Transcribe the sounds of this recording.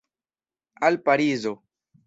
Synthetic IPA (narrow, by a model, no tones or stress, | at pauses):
alpaɾizo